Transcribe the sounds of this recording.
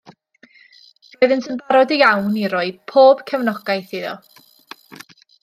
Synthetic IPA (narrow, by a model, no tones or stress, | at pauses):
d̥ɔjðɪntʰənbaɾɔdijawniɾɔɨpʰoːb̥kʰɛwnɔɡ̥ajθɪðɔ̰